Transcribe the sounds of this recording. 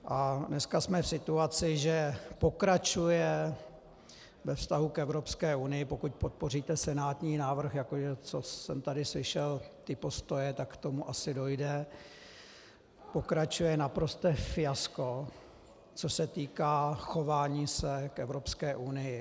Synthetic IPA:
ʔanɛskasmɛfsɪt̪uat͡sɪʒɛpo̞kɾat͡ʃujɛ | vɛfst̪aɦukɛvɾo̞pskɛːʔunɪjɪpokuc̚pot̪̚po̞riːt̪ɛsɛnaːt̪ɲiːnaːvr̩xjakoʒɛt͡sosɛmt̪adɪslɪʃɛlt̪ɪpo̞st̪o̞jɛt̪akkt̪o̞muʔasɪdo̞jdɛ | po̞kɾat͡ʃujɛnapɾo̞st̪ɛːfɪjasko̞ | t͡sosɛt̪iːkaːxo̞vaːɲiːsɛkʔɛvɾo̞pskɛːʔunɪjɪ

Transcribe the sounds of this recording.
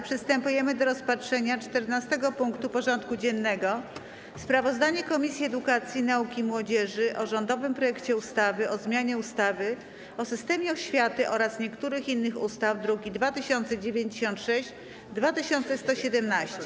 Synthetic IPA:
pʂɘst̪ɛmpujɛmɘd̪ɔɾɔspatʂɛɲat͡ʂt̪ɛɾnast̪ɛɡɔpuŋkt̪upɔʐɔnt̪kud͡ʑɛnːɛɡɔ | spɾavɔzd̪aɲɛkɔmʲisʲjiɛd̪ukat̪sʲjinaukʲimwɔd͡ʑɛʐɘʔɔʐɔnd̪ɔvɘmpɾɔjɛkt͡ɕɛust̪avɘʔɔzmʲjaɲɛust̪avɘ | ɔsɘst̪ɛmʲjɛɔɕfʲjat̪ɘʔɔɾasɲɛkt̪uɾɘxinːɘxust̪avd̪ɾuɡʲid̪vat̪ɘɕɔnt̪sɛd͡ʑevʲjeɲd͡ʑeɕɔ̃nt̪ʂɛɕt͡ɕ | d̪vat̪ɘɕɔnt̪sɛst̪ɔɕɛd̪ɛmnaɕt͡ɕɛ

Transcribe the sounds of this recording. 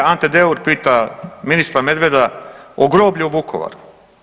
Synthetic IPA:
ant̪ed̪euɾpiːt̪aminist̪ɾame̞d̪ʋe̞d̪aoɡɾoːbʎiuʋukʰoʋa̰ɾu

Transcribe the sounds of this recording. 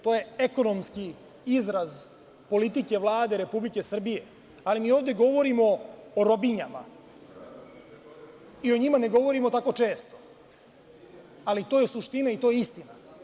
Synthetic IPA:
t̪oje̞eko̞nomski | izɾaz | po̞lit̪ike̞ʋlˠaːd̪e̞ɾe̞publike̞sr̩bije̞ | alimiːo̞ːʋd̪e̞ɡo̞ʋo̞ɾimo̞ːɾo̞biɲama̰ | io̞ɲimane̞ɡo̞ʋo̞ɾimo̞t̪ako̞t͡ʂe̞ːst̪o̞̥ | alit̪oje̞suʂt̪inait̪o̞ːjeist̪ina

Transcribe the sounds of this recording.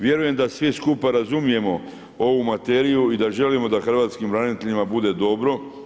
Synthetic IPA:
ʋje̞ɾuje̞md̪asʋiskupaɾazumije̞mo̞ | o̞ʋumat̪e̞ːɾijuid̪aʒe̞limo̞d̪axr̩ʋaːt̪skimʋɾaːnit̪eʎimabud̪e̞d̪o̞bɾo̞

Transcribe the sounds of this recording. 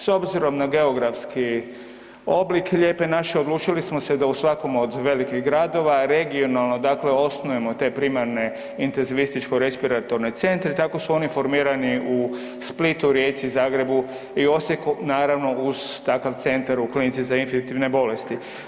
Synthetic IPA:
so̞bziɾo̞mnaɡe̞oɡɾafski | o̞blikeʎe̞ːpe̞naʃeod̪lˠuːt͡ʃilismosed̪ausʋako̞mo̞d̪ʋe̞likiɣɡɾad̪o̞ʋaɾe̞ɡio̞nalˠno̞d̪aːkle̞o̞snoje̞mo̞t̪e̞pɾimaɾne̞ | int̪enziʋist̪it͡ʃko̞ɾe̞spiɾat̪o̞ɾne̞t̪se̞nt̪ɾet̪ako̞suo̞nifo̞ɾmiːɾaniu | split̪uɾjet̪sizaːɡɾe̞bu | io̞sjekunaːɾaʋno̞uz̥t̪akaʋt̪se̞nt̪aɾuklinit̪sizainfinit̪iʋne̞bo̞le̞st̪i

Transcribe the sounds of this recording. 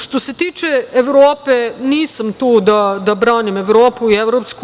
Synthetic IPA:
ʃt̪oset̪iːt͡ʃeeʋɾoːpeniːsamt̪uːd̪ad̪abɾaːnimeʋɾoːpuieʋɾopsk

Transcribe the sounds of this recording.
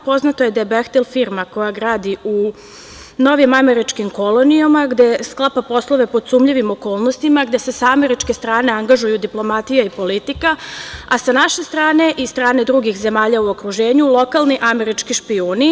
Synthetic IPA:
po̞znat̪oje̞d̪ajebext̪elfiːɾmako̞jaɡɾaːd̪iu | no̞ʋimame̞ɾit͡ʃkimko̞lo̞niomaɡd̪esklˠapapo̞slˠo̞ʋe̞pod̪suːmʎiʋimo̞ko̞ːlˠnost̪imaɡd̪e̞se̞saame̞ɾit͡ʃke̞st̪ɾaːne̞aŋɡaʒujud̪iplˠo̞mat̪ijaipo̞lit̪ikaasanaʃe̞st̪ɾaːne̞ʔist̪ɾaːned̪ɾuɡixze̞maːʎauo̞kɾuʒe̞ːɲulˠo̞kalniʔame̞ɾit͡ʃkiʃpioːni

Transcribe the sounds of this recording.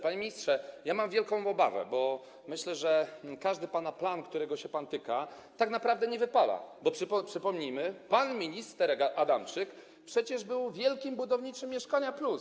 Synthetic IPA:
paɲemʲiɲistʂɛjamamvʲjɛlkɔ̃w̃ɔba̰vɛ̰bɔ | mɘɕlɛʐɛkaʐd̪ɘpanaplankt̪uɾɛɡɔɕɛpant̪ɘka | t̪aknapɾavd̪ɛɲɛvɘpala̰bɔpʂɘppʂɘpɔmɲimɘpanmʲiɲist̪ɛɾɡaʔad̪amt͡ʂɘk | pʂɛt͡ɕɛʐbɘwvʲjɛlkʲimbud̪ɔvɲit͡ʂɘmːjɛʂkaɲaplus

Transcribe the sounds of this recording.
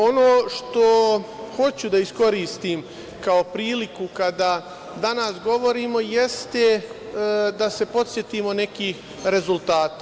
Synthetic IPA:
o̞noːʃt̪o̞ | xo̞t͡ɕud̪aisko̞ɾiːst̪im | kao̞pɾiːlikukad̪a | d̪anasɡo̞ʋo̞ɾiːmo̞jest̪e | d̪ase̞po̞t̪sjet̪iːmo̞ne̞kiːx | ɾe̞zulˠt̪aːt̪a

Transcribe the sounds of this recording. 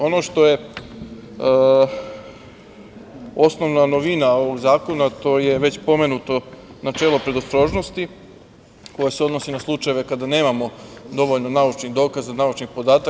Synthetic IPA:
o̞no̞ʃt̪o̞je̞ | o̞sno̞ʋnanoʋinao̞ʋo̞ɡzaːko̞nat̪o̞je̞ʋe̞t͡ɕpo̞me̞nut̪o̞ | nat͡ʃe̞ːlo̞pɾe̞d̪ost̪ɾo̞ːʒno̞st̪i | ko̞jase̞o̞d̪no̞sinaslˠut͡ʃaje̞ʋe̞kad̪ane̞ːmamo̞d̪o̞ʋo̞ʎno̞naut͡ʃniɣd̪o̞ːkazanaut͡ʃnixpo̞d̪aːt̪a

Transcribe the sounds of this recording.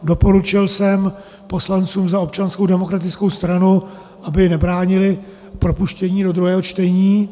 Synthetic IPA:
do̞po̞ɾut͡ʃɪlsɛm | po̞slant͡suːmzao̞p̚t͡ʃansko̞wdɛmo̞kɾat̪ɪt͡sko̞wst̪ɾanu | ʔabɪnɛbɾaːɲɪlɪ | pɾo̞puʃcɛɲiːdo̞d̪ɾuɦɛːɦot͡ʃt̪ɛɲiː

